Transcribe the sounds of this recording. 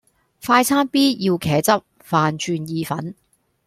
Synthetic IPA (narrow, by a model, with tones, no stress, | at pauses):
faː˧jt͡sʰaː˥npiː˥jiː˧wkʰɛː˨˥t͡sɐ˥p̚ | faː˨˧nt͡ʃʰyː˧njiː˨˧fɐ̰˨˥n